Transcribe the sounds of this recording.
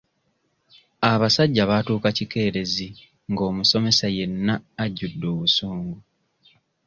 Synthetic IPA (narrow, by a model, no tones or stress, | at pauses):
aβasaɟːaβatuːkacike̞ːɾe̞zi | ŋɡo̞ːmuso̞me̞saje̞nːaːɟːudːo̞ːβusuːŋɡu